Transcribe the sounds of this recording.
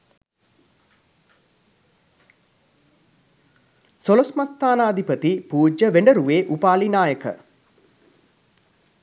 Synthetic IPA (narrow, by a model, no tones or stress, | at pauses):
solosmast̪ʰaːnaːd̪ʱipət̪ipuːd͡ʒəʋeɳɖəɾuʋeːʔupaːlinaːjəkə̰